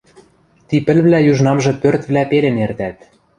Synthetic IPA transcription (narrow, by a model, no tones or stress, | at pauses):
t̪ipɘ̆lβlæjuʒnɑmʒɤ̆pørt̪βlæpelenert̪æt̪̚